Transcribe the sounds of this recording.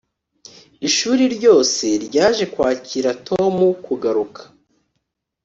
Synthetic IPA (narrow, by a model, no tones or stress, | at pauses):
iʃuːɾiɾɟo̞ːse̞ɾɟaːʒe̞kwaːciɾatʰo̞mukuɡaɾukʰḁ